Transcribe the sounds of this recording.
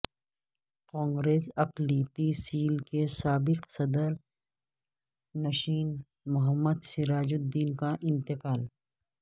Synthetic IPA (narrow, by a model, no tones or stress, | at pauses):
kãːŋɡɾeːsɐqliːt̪isiːlkesaːbɪqsɐd̪əɾ | nɐʃiːn | mʊɦəmːəd̪sɪɾaːd͡ʒʊd̪ːiːnkaʔɪ̃nt̪ɪqaːl